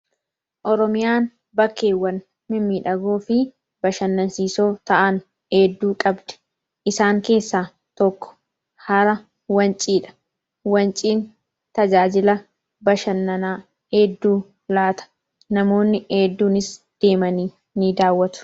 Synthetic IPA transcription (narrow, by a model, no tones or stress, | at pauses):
ʔɔɾɔmɪjaːn | bɐkːe̞ːwːɐn | mɪmːiːᶑɐɡo̞ːfɪ | bɐʃɐnːɐnsiːso̞ːt̪ɐʔɐn | eːd̪ːuːkʼɐbd̪̥ɛ̥ | ʔɪsaːŋke̞ːsːaː | t̪ɔkːɔ̥ | hɐɾɐ | wɐnt͡ʃʼiːᶑɐ̥ | wɐnt͡ʃʼiːn | t̪ɐd͡ʒaːd͡ʒɪlɐ | bɐʃɐnːɐnaː | heːd̪ːuː | laːt̪ɐ̥ | nɐmo̞ːnːɪeːd̪ːuːnɪs | d̪̥e̞ːmɐniː | nɪd̪aːwːɐt̪ʊ̥